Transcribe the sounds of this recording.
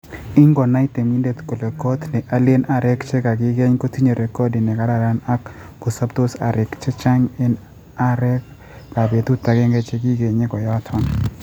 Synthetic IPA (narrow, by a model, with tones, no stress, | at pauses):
i˦ŋɡɔ˨na˦i˦t̪e˨mi˦nde˦˨t̪ko˨le˨ko˦t̪nɛ˨ʔa˨le˦na˨ɾɛ˦kt͡ʃe˦ka˨ɡɪ˦ɡe˦ɲko˦ti˦ɲo˨ɾe˨kɔ˦di˨nɛ˨ka˦la˨ɾa˦na˦kː | o˨sa˦bt̪o˦sa̰˨ɾɪ˨kt͡ʃɛ˦t͡ʃa˦ŋɛ˦n | a˦ɾɛ˦k | ka˨be˨t̪u˦t̪a˨ɡɛ˦ŋɡɛ˦t͡ʃe˦ɡi˦ɡe˨ɲɪ˦ɡɔ˨jɔ˨˦a˦tʰɔ˦n